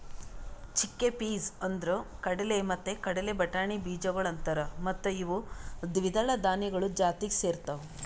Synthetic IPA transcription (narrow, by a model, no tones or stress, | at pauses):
t͡ʃikːepiːzɐnd̪ɾokɐɽɐlemɐt̪ːekɐɽɐlebɐʈaːɳibiːd͡ʒɐɡɐɭɐnt̪ɐɾɐmɐt̪ːuiʋud̪ʋid̪ɐɭɐd̪aːniɡɐɭud͡ʒaːt̪iɡeseːɾt̪ɐʋu